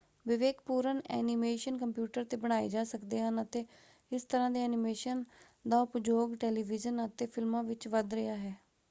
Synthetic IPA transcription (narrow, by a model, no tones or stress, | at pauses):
ʋɪʋeːkpuːɾənɛ̰ːnimeːʃənkəmpjuːʈəɾt̪eːbəɽ̃aːḭːd͡ʒaːsəkd̪eːɦənət̪eː | ɪst̪əɾãːd̪eːɛːnɪmeːʃən | d̪aːʊpd͡ʒoːɡʈɛːliːʋɪd͡ʒənət̪eːpʰɪlmãːʋɪt͡ʃʋəd̪ɾəjaːɦɛː